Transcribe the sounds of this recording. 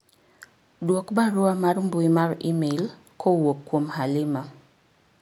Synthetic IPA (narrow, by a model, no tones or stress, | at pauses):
dwɔkbaɾʊamarmbwimarimel | kʰowokːwomhalɪma